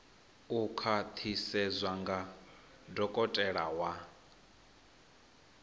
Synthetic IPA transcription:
ukʰat̪ʰisɛzʷwaŋɡa | dɔkʼɔtʼɛɺawa

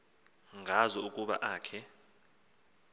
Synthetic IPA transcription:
ŋʱazɔukʼuɓa̰ʔaːkʰɛ

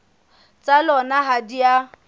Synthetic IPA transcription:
t͡sʼalɔnaɦadia

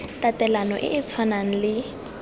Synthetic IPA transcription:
tatɛlanɔ̰ʔɪ̰ʔɪt͡sʰwanaŋ̩lɪ

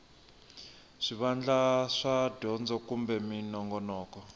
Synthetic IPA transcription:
ʂiβand͡ɮaʂadʱɔnd͡zɔkumbɛminɔŋɡɔnɔːkɔ

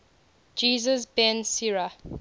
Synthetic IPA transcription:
d͡ʒiːzəzbɛ̃nsiɹa

